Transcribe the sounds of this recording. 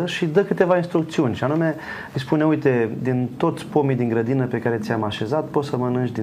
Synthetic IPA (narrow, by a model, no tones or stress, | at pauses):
əʃid̪əkɨt̪e̞vainst̪ɾuk̚t̪siunʲʃianume̞ | ɨjspuneujt̪e̞d̪int̪o̞t̪sʲpo̞mijd̪iŋɡɾəd̪inəpe̞kaɾe̞t̪sʲjamaʃe̞zat̪po̞t̪səmənɨnt͡ʃd̪i